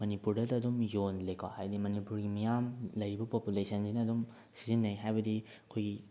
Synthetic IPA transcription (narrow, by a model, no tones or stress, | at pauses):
mɐnipuɾdɐdɐːdumjonlejkʰa̰hajdimɐnipuɾɡimijamlɐjɾibɐpopjulesʰɐnsinɐɐdum | sizinːɐjɦajbɐdi | ɐkʰojɡi